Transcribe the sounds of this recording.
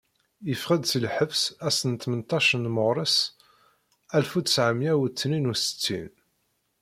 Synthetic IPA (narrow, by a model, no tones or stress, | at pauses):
jəfχəd̪səlħəvsæsənt̪mənt̪ɑʃənməʁɾˤəs | ælfut̪ə̥sʕəmjæwət͡sːninusə̥t͡sːḭn